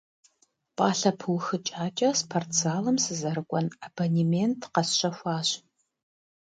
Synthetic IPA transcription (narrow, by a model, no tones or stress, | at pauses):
pʼaːɬɐpʰɨwxɨt͡ʃʼaːt͡ʃʼɐspʰɐrt͡sʰaːlɐmsɨzɐɾɨkʷʼɔnabonimentʰqɐsɕɐxʷɑːɕ